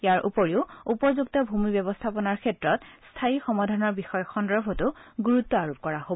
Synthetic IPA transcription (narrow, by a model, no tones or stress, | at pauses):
jaɹʔupoɹiʊupɔzuk̚tɔbʱumibɛbɔstʰapɔnaɹkʰɛtɹɔtstʰaixɔmadʱanɔɹbixɔjɔxɔndɔɹbʱɔtʊɡuɹutːɔaɹup̚kɔɹaɦo